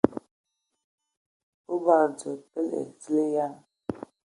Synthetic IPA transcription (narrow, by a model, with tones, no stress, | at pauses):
u˦ba˨ɾd͡zə˨pə˦lḛ˨si˦le˦ja˦n